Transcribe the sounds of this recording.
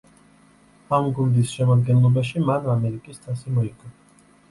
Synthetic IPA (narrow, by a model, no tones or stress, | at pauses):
amɡund̪isʃɛmad̪ɡɛnlˠɔbaʃimanamɛɾikʼist̪ʰʼasimɔikʰʼɔ